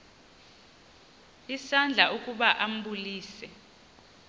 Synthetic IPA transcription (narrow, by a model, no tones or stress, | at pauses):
isand͡ɮʱaʔukʼuɓaʔam̩ɓuliːsɛ